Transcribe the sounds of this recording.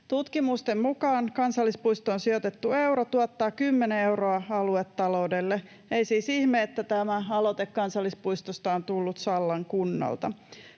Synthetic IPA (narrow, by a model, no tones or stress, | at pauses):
t̪ut̪kimust̪emmukɑːŋkɑnsɑlːispuist̪oonsio̞t̪et̪ːue̞wɾot̪uɑt̪ːɑːkymːeneewroɑɑluet̪ːɑlo̞wdelːe | eisiːsihmeːt̪ːæt̪æmæɑlot̪ekːɑnsɑlːispuist̪ost̪ɑont̪ulːut̪sɑlːɑŋkunːɑ̰lt̪ɑ